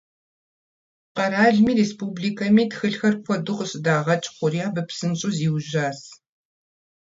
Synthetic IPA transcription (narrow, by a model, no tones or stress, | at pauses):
qɐɾaːɮmiːreːspuːbliːkʰɐmiːtxɨɬxɐrkʷʰɔdʊqəɕʼɪdaːʁɐt͡ʃʼqʷʊriaːbɐpsɨnt͡ʃʼʊziːwʒaːs